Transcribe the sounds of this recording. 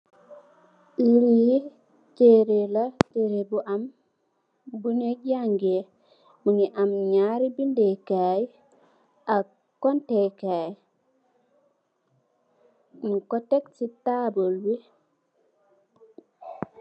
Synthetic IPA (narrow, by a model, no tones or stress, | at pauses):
iɾi | t͡ʃeɾelat͡ʃeɾebuʔam | buneɟaŋɡe | muŋiʔamɲaɾibindekaj | a | kːɔntekaj | nkoteksitabolwi